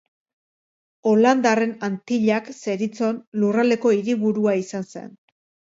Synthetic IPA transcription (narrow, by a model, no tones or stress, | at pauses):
o̞land̪are̞nant̪iʎakse̞ɾit͡so̞nlurale̞ko̞iɾiβuɾuaisanse̞̰n